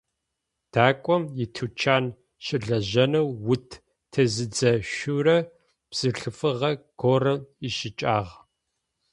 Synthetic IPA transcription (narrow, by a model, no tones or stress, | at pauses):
d̥aːkʷʼɔmjɪtʰut͡ʃʰaːn | ɕɪɮɐʑɐnɐwːʊtʰ | tʰɐzɨd͡zɐʃurɐ | psɨɬɨfɨʁɐɡ̥orɐiʃɪt͡ʃʼaːʁ